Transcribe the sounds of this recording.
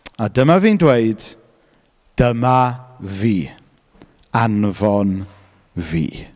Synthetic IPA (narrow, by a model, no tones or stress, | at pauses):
adəmaviːndweɨd̥ | d̥əmaviː | anvɔn | vḭː